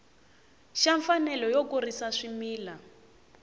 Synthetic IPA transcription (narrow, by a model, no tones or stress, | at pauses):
ʃaɱfanɛlɔjokurisaʂimiːla